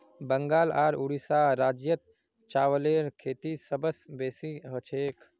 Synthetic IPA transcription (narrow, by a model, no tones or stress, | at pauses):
bəŋɡaːlaːɾuɽisaːɾaːd͡ʒjət̪̚ | t͡ʃaːwəleːɾkʰeːt̪isəbəsbeːsiɦət͡ʃʰeːk